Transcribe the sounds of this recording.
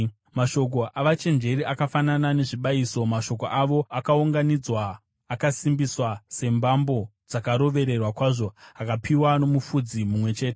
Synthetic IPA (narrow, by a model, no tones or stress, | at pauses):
maʃo̞k̬o̞ʔaʋat͡ʃe̞nd͡ʒe̞ɾiʔakafananane̞ʐiɓaiːso̞maʃo̞ko̞ʔaʋo̞akauŋɡanid͡zwaː | kasimbiswase̞mbambo̞ | d͡zakaɾo̞ʋe̞ɾe̞rwakwaːʐo̞akapiwano̞mufud͡zimumwe̞t͡ʃe̞ːte